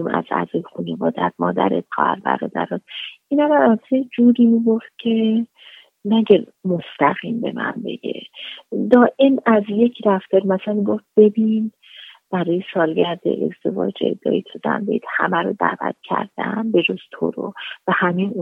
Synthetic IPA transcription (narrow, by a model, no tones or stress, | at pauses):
mæ̰zæ̰zɒːjexunevɒːd̪æt̪mɒːd̪æɾḛt̪̚ɢæɾbæ̰ɾɒːd̪æ̰ɾɒt̪ʔinæɾamæzsejd͡ʒuːɾiːmibo̞ft̪̚cʰe̞ | næɟæmost̪æɣiːmbe̞̰mæ̰nbe̞̰ɡe̞̰d̪ɒːʔemæzje̞cʰɾæft̪eɾmæsmiɡoft̪̚b̥e̞bin | b̥æɾɒːjesɒːlɡæɾd̪ḛʔḛzd̪e̞vɒ̰ːd͡ʒḛd̪ɒ̰ːit̪ʰod̪æ̰nbeid̪̥hæmæɾod̪æ̰ːvæ̰t̪̚ʰcʰæ̰ɾd̪̥ænbe̞d͡ʒoz̥t̪ʰo̰ɾo̰væhæmin